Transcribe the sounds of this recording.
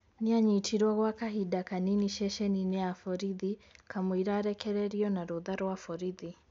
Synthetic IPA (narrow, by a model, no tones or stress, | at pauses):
niaɲitʰiɾwaɣwakaɦidakaniniʃɛʃɛninɛafɔɾiðikamwiɾaːɾɛkɛɾɛɾiɔnaɾuðaɾwafɔɾiði